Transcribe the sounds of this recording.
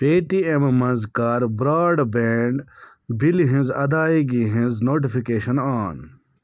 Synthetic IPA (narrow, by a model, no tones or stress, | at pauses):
peːʈiemmɐ̃nzkaːɾbɾaːɖbeɳɖ | bilɦĩnzɐ̰d̪aːiɡiɦĩnznoːʈ̬ifikeːʃɐnaːn